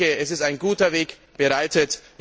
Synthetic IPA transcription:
əɛsɪstaɪnɡuːtɐveːk | b̥əʁaɪtət

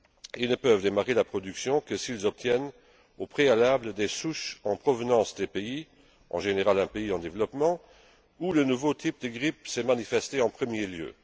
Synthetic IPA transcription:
ilnəpœvd̪emaʁelapχɔd̪yksjɔ̃kəsilzɔp̚t̪jɛn | opχealabləd̪esuʃɑ̃pχɔvənɑ̃sd̪epei | ɑ̰̃ʒeneʁalɛ̃peiɑ̃d̪evlɔpmɑ̃ | ulənuvot̪ʰip̚d̪əɡʁip̚sɛmanifɛst̪eɑ̃pχəmjeljø̰

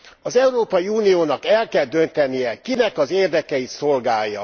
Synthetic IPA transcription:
ɒzɛuɾoːpɒjiuːnijoːnɒkɛlkɛld̪ø̞nt̪ɛnijɛkinɛkɒzeːrd̪ɛkɛit̪so̞lɡaːjːɒ̰

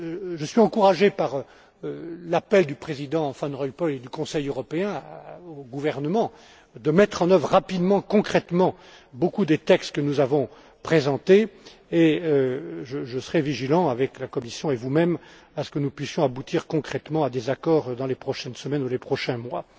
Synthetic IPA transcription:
ʒəsɥiɑ̃kuʁaʒepaʁ | lapɛld̪ypχezid̪ɑ̃fɛ̃nʁɔjpɔled̪ykɔ̃sɛjøʁɔpeɛ̃oɡuvɛʁnəmɑ̃ | d̪əmɛt̪χɑ̃nœvʁːapid̪mɑ̃kɔ̃kχɛt̪mɑ̃ | bokud̪et̪ɛkst̪kənuzavɔ̃ | pχezɑ̃t̪eeøʒəʒəsəʁɛviʒilɑ̃avɛklakɔmisjɔ̃evumɛm | asə̥kənupɥisjɔ̃abut̪iʁkɔ̃kχɛt̪mɑ̃ad̪ezakɔʁd̪ɑ̃lepχɔʃɛnsəmɛnulepχɔʃɛ̃mwa

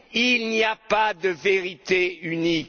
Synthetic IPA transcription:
ilniapad̪əveʁit̪eynik

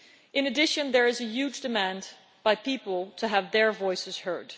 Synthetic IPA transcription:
ʔɨ̃nɨdɪʃɨ̃nðə˞ɨzɨjʉd͡ʒdɨmæ̃n | b̥aɪpʰipl̩ˠtʰɨəvðə˞vɔɪsɨz̥hɜ˞d̥

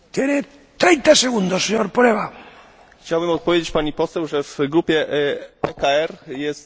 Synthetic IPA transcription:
t̪jene | t̪ɾɛjnt̪aseɣund̪osːeɲoɾpɾeβa | xt͡ɕawbɘmɔt̪̚pɔvʲjed͡ʑet͡ɕʲpaɲipɔsɛwʐɛv̥ɡɾupʲjɛɛkaɛɾjɛst̪

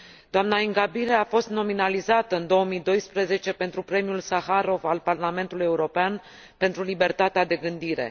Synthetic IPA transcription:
d̪̥oamnaiŋɡabileafo̞st̪no̞minalizat̪əɨnd̪o̞omid̪o̞jspɾeze̞t͡ʃe̞pe̞nt̪ɾupɾe̞miulsaxaɾo̞valparlame̞nt̪uluje̞uɾo̞pean | pe̞nt̪ɾulibe̞rt̪at̪ead̪e̞ɡɨnd̪iɾe̞̰

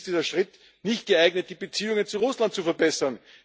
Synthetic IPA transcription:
td̥iːzɐʃʁɪt | nɪçt̚ɡ̥əaɪɡnət̚d̥iːbət͡siːʊŋənt͡suʁʊslant̚t͡sufɛɐbɛsɐn

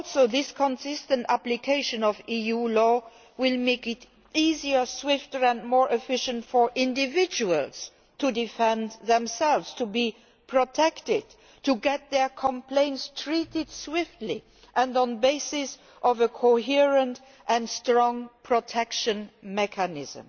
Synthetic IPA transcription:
ɔlˠsoʊðɪskʰə̃nsɪstə̃ntæplikʰeɪʃə̃nɔvijulɔ | wɪlmeɪkɪt | iziə˞swɪftə˞æ̃ndmɔːɹʔɪfɪʃə̃ntfɔ˞ʔɪ̃ndɪvɪd͡ʒuəls | tʰudɪfɛ̃ndðɛ̃msɛlvz̥tʰubi | pʰɹɔtʰɛktɪd̚ | tʰuɡɛt̪̚ðɛ˞kʰə̃mpʰlẽɪ̃ntstʰɹitɪd̥swɪftʰli | ʔɛ̃ndɔ̃nbeɪsɪs | ʔɔvəkʰoɦiɹə̃nt | ʔæ̃nstɹɔ̃ŋpʰɹ̥otʰɛkʃə̃nmɛkʰanɪzə̰̃m

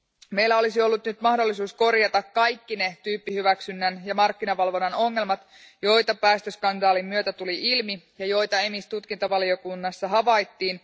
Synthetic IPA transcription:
me̞jlːæo̞lisio̞lːut̪nyt̪mɑhdo̞lːisuːsko̞rjɑt̪ɑkkɑjkːinet̪yːpːihyʋæksynːænjɑmɑrkːinɑʋɑlʋo̞nːɑno̞ŋːe̞lmɑt̪ | jo̞jt̪ɑpæːst̪øskɑndɑːlimːyøt̪æt̪uliʔilmijɑjo̞jt̪ɑe̞mist̪ut̪kint̪oʋɑlio̞kunːɑsːɑɦɑʋɑjt̪ːiːn

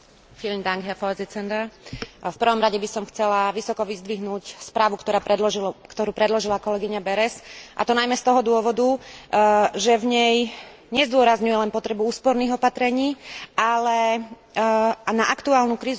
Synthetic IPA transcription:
filmd̪aŋɡɦɛfɔzit͡sɛnd̪afpr̩ʋɔmɾaɟɛbisɔmxt͡sɛlaʋisɔkɔʋizd̪ʋiɦnuːcspɾaːʋukt̪ɔɾaːpɾɛd̪lɔʒikt̪ɔɾuːpɾɛd̪lɔʒilakɔlɛɡiɲabɛɾɛsʔa̰t̪ɔnajmɛst̪ɔɦɔd̪ʊɔʋɔd̪u | ʒɛvɲɛj | ɲɛzd̪ʊɔɾazɲujɛlɛnpɔt̪ɾɛbuuːspɔɾniːɣɔpat̪ɾɛɲiːalɛ | naʔakt̪uaːlnukɾiːz

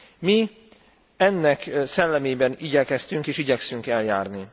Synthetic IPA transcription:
mi | ɛnːɛksɛlːɛmeːbɛniɟɛkɛst̪yŋkeːʃiɟɛksyŋkɛljaːrni

